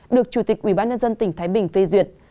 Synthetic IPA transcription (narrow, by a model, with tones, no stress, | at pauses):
ɗɨ˨˩ək̚t͡ɕu˧˩t̪i˨˩k̚ʔwḭ˧˩ɓaː˧nɲə˧nzə˧nt̪ï˧˩ŋ̟t̪ʰaː˨˦jɓï˨˩ŋ̟fe˧zwḭ˧˨˩ət̚